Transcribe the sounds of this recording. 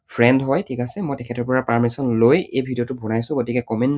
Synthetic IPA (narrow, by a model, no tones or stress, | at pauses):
pʰɹɛndɦɔjtʰikasɛmɔjtɛkʰɛtɔɹpɔɹapaɹmisɔnlojejbʱidiɔtʊbʱɔnajsʊ̃ɡotikɛkɔmɛnt